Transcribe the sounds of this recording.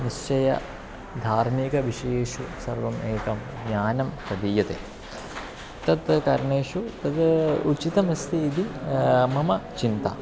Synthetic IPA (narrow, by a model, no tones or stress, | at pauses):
niʃt͡ʃɐjɐ̰ | d̪ʱaːɾmikɐʋiʂɐejeːʂusɐ̰ɾʋɐmʔeːkɐm | ɡɲaːnɐmpɐd̪iːjɐt̪ḛ | t̪ɐt̪kɐɾɳeːʂut̪ɐd̪ut͡ʃit̪ɐmɐst̪iːd̪imɐmɐt͡ʃint̪ɐ̰